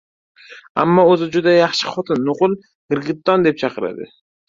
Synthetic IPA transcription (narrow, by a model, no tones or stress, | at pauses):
a̰mːɒozɪd͡ʒʊd̪ajɑχʃɪ̥χɒt̪ʰɪnːʊqʊlˠ | ɡ̥ɪɾɡʲɪt̪ːɒnd̪e̞p̚t͡ʃʰɑqɨɾa̰d̪ɪ̰